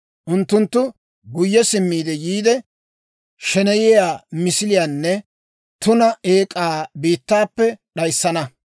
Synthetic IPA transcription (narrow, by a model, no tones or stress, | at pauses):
ʔʊnt̪ːʊnt̪ːʊ | ɡʊjːɛsɪmːiːd̪ɛjiːd̪ɛ | ʃɛnɛjɪjaːmɪsɪlɪjaːnːɛ | t̪ʊnɐeːkʼːaːbiːt̪ːaːpːɛɗɐjsːɐnɐ